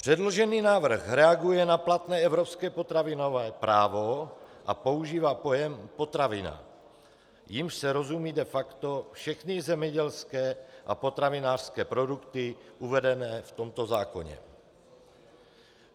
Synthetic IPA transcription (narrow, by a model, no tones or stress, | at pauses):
pr̥ɛdloʒɛniːnaːvr̩xɾɛaɡujɛnaplat̪nɛːɛvɾopskɛːpot̪ɾavɪnovɛːpɾaːvo̞ʔapo̞uʒiːvaːpojɛmpo̞t̪ɾavɪna̰ | jimʃsɛɾo̞zumiːdɛfakt̪o̞fʃɛxnɪzɛmɲɛɟɛlskɛːʔa̰po̞t̪ɾavɪnaːr̥skɛːpɾo̞dukt̪ɪʔuvɛdɛnɛːft̪o̞mt̪ozaːko̞̰ɲɛ̰